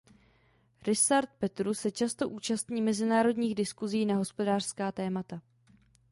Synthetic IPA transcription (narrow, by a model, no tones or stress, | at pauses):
ɾɪsaɾt̪̚pɛt̪ɾusɛt͡ʃast̪o̞ʔuːt͡ʃast̪ɲiːmɛzɪnaːɾo̞dɲiːɣdɪskuziːnaɦo̞spo̞daːr̥skaːt̪ɛːmat̪a